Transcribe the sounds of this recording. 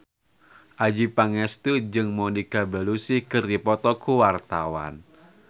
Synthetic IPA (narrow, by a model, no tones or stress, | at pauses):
ʔad͡ʒipaŋɛst̪ud͡ʒɨŋmɔnikabalusihkɨrdipɔt̪ɔkuwart̪awa̰n